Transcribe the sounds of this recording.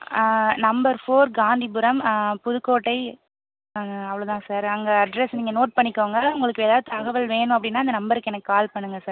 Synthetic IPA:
nɐmbɐɾfoːɾɡaːnd̪ibɯɾɐmpʊðɯkːoːʈːɐɪ | ɐʋɐɭoːt̪ãːsaːɾɐŋɡɐɐɖɾɛsniːŋɡɐnoːʈ̚pɐɳːɪkːoːŋɡɐʊŋɡɐɭɯkːɯeːðaːðɯt̪ɐɣɐʋɐlʋeːɳʊ̃ɐpːɐɽɪnːaːɐnd̪ɐnɐmbɐɾɯkːɯɛnɐkːɯkaːlpɐɳːɯŋɡɐsaːɾ

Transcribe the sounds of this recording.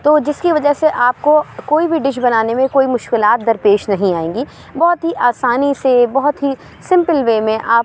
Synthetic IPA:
t̪oːd͡ʒɪskiʋɐd͡ʒəɦseʔaːp̚kokoːibʱiɖɪʃ̬bɐnaːnemẽkoːimʊʃkɪlaːt̪̚d̪ɐɾpeːʃnɐɦĩaːẽːŋɡiː | bɔɦʊt̪ɦiʔaːsaːnisebɔɦʊt̪ɦi | sɪ̃mpəlʋeːmẽʔaː

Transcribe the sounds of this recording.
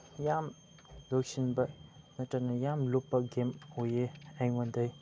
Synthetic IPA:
jam | loksinbɐnɐtɐnɐjamlopːɐɡemojeajmondɐj

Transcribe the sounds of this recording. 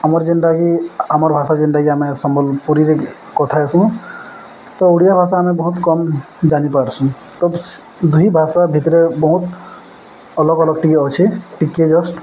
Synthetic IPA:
amɔɾd͡ʒəɳɖakiaməɾbʱasad͡ʒənɖaɡiamẽsɔmbɔlpuɾiɾe | kɔt̪ʰaɛsũ | t̪ɔuɽijabʱasaːmẽbɔɦut̪kɔm | d͡ʒanipaɾsũ | t̪ɔb | d̪uɦibʱasabʱit̪ɾebɔɦut̪ | ɔlɔɡɔlɔɡ̚ʈikeɔt͡ʃʰiʈikːed͡ʒɔsʈ

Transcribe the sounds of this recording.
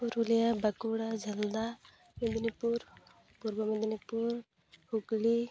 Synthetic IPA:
uɾulijabakuɽad͡ʒʱɐld̪a | med̪inipuɾ | puɾbəmed̪inipuɾ | hukli

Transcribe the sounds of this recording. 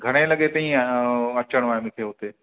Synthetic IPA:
ɡʱɐɽ̃elɐɠet̪ɐĩɐt͡ʃəɽ̃ʋaːemɪkʰeɦot̪eː

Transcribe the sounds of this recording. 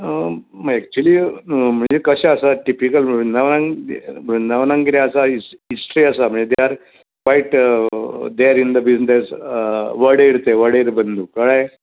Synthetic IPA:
məɛk̚t͡ʃuliːm̤əɳd͡zekəɕaəsaʈipikəlnəʋnãŋbunəʋnaŋkiɾaəsaiisʈɾiəsam̤əɳd͡zed̪ejaɾ | faiʈ | d̪eaɾind̪əbisd̪es | ʋəɽeiɽt̪eʋəɽeɾbənd̪ʱuːkəɽaj

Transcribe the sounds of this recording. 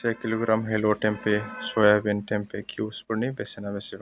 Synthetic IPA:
ekiloɡɾamɦeloʈẽmpesojabenʈẽmpekʰiʊspəɾnibesenabeseʋ

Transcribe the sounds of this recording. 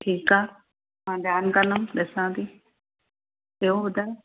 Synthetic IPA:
ʈʰiːkaː | mãːd̪jaːnkələɗesãːd̪iː | eɦoɦʊd̪aː

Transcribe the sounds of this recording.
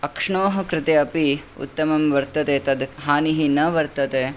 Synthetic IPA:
ɐkʂɳoːɦɐ̆kɾɪt̪eɐpiṵt̪ːɐmɐmʋɐɾt̪ɐt̪eːt̪ɐd̪ɦaːniɦinɐʋɐɾt̪ɐt̪eː

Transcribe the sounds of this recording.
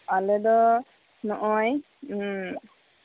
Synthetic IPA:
alɛd̪ɔ | nɔʔɔj

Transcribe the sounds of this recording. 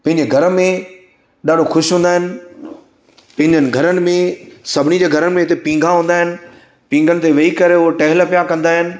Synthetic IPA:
pɐ̃ɪɲd͡ʑeɡʱɐɾəmẽ | ɗaːɖʱoxʊʃiɦũːnd̪aːɦɪnɪ̆ | pɐ̃ɦɪɲd͡ʑənɪ̆ɡʱɐɾənɪ̆mẽsɐbʱɪnid͡ʑeːɡʱɐɾənɪ̆mẽɪt̪̬epĩːŋɡʱãɦũːnd̪aːɦɪnɪ̆ | pĩːŋɡənɪ̆t̪eʋɐikɐɾeʊɦʈɛɦɪlpijakɐ̃nd̪aːɦɪnɪ̆

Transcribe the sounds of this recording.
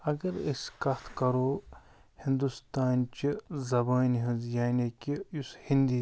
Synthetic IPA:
ɐɡɐɾiskɐt̪ʰkɐɾoː | hĩnd̪ust̪aːnt͡ʃizɐbaːnɦinzjaːnikiushind̪iː

